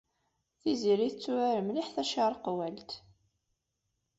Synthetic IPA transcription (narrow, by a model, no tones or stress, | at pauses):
θiziɾiθət͡sːuæɾəmliħθæʃɑɾˤqwælt̪